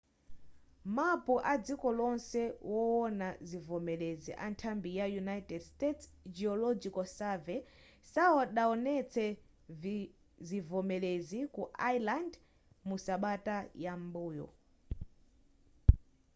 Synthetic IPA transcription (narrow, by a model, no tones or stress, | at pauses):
mapuʔad͡zikɔlɔnsɛwɔɔnazivɔmɛlezḭʔa̰ntʰambijajunajtɛdstɛtsd͡ʒiɔlɔd͡ʒikɔsavɛ | saɔɗaɔnɛt͡sʰɛ | zivɔmɛlezikuajland | musaɓatajambuːjɔ̰